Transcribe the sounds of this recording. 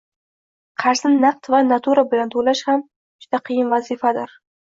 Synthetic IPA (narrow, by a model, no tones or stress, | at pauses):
qʰɑɾznɪnaq̚t̪vanat̪ʰuɾabɪlant̪ʰolaʃham | d͡ʒʊd̪aqʰɨjɪnvazɪfad̪ɪɾ